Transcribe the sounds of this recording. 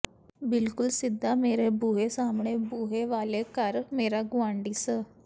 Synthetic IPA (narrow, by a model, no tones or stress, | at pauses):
bɪlkʊlsɪd̪ʱːaːmeːɾebuːɦesaːmɳeːbuːɦeʋaːlekəɾmeːɾaːɡʊãːɳɖiːsə